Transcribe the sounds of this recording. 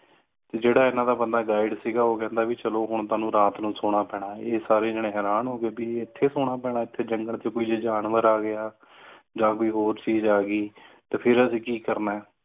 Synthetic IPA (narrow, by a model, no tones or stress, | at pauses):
t̪eːd͡ʒeːɽaːɪnãːd̪aːbənd̪aːɡaːɪɖsiːɡaːoːkɛ̃ːnd̪aːbiːt͡ʃəloːɦʊɳt̪ʊaːnũːɾaːt̪nũːsoːɽ̃aːpɛːɽ̃aːeːsaːɾeːd͡ʒeːɽ̃ẽːɦɛːɾaːnɦoːɡeːbiːɪt̪ʰːeːsoːɽ̃aːpɛːɽaːɪt̪ʰːeːd͡ʒəŋɡəɳt̪eːkoːiːd͡ʒeːd͡ʒaːnʋəɾaːɡɪjaː | d͡ʒãːkoːiːɦoːɾt͡ʃiːzaːɡiːt̪eːpʰɪɾəsĩːkiːkəɾnaːɛː